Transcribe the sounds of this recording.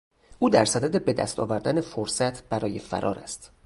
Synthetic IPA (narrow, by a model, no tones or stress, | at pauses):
ʔuːd̪æɾsæd̪æd̪e̞bed̪æ̰st̪ɒ̰ːvæɾd̪æne̞foɾsæt̪ʰb̥æɾɒːje̞fæ̰ɾʔɒ̰ːɾæ̰st̪